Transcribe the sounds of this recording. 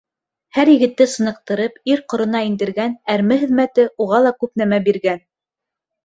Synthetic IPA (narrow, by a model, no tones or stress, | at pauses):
hæɾjɘ̆ɡɘ̆t̪ːɘsɤ̆nɤ̆q̚t̪ɤ̆ɾɤpiɾqŏɾɤ̆nɑind̪ɘ̆ɾɡænæɾmɘhɘ̆ðmæt̪ɘʔuʁɑlˠɑkʉp̚næmæbiɾɡæn